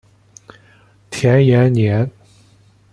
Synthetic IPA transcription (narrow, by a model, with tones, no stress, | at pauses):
t̪ʰjɛ˧˥njɛ˧˥nnjɛ˧˥n